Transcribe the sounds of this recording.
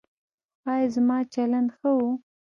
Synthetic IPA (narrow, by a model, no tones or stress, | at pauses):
ɑjɑzmɑt͡ʃaland̪xəwu